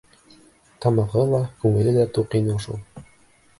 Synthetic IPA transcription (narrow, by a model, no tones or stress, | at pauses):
t̪ɑmɑʁɤlˠɑkʉŋɘ̆lɘlæt̪uqinɤʃṵlˠ